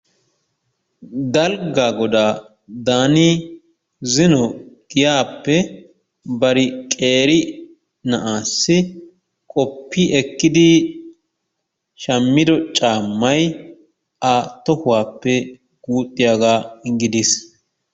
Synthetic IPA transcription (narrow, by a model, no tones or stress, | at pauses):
d̪ɐlɡaːɡɔd̪aː | d̪aːniː | zɪnɔɡ̥ɪjaːpːɛ | bɐɾɪkʼe̞ːɾɪ | nɐʔaːsːɪ | kʼɔpːiʔɛkːɪd̪ɪ | ʃɐmːɪd̪ɔt͡ʃʼaːmːɐj | at̪ɔhʊwaːpːɛ | ɡ̥uːt̪ʼːɪjaːɡaːɡɪd̪is